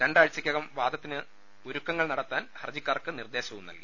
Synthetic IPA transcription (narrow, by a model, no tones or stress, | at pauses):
ɾeɳɖaːɻt͡ɕːɐkʲːɐɣɐmʋaːd̪ʱɐt̪ːinɨ | oɾukːɐŋːɐɭnɐɽɐt̪ːaːnhɐrd͡ʑikʲːaːrkɨnird̪e̞ːɕɐʋunːɐ̰lɡḭ